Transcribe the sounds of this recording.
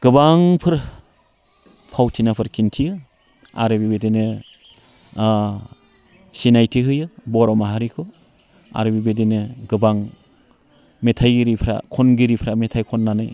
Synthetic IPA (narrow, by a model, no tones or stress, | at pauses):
ɡ̥ɯbaŋpʰɯɾ | pʰawtʰinapʰɯɾkʰintʰijɯ | a̰ɾɯbibedenɯ | sinajtʰiɦɯjɯbɔɾɔmaɦaɾikʰɔ | a̰ɾɯbibedenɯɡɯbaŋ | metʰajɡiɾipʰɾa̰kʰɔnɡiɾipʰɾametʰajkʰɔnːanɯj